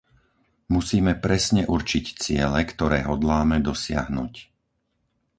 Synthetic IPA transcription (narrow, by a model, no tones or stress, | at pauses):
musiːmɛpɾɛsɲɛʔuɾt͡ʃict͡sɪɛlɛkt̪ɔɾɛːɦɔd̪laːmɛd̪ɔsɪa̰ɦnṵc